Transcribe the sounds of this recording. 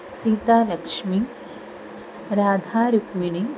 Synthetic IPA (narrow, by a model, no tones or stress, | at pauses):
siːt̪aːlɐkʂmi | ɾaːd̪ʱaːɾukmiɳ̃i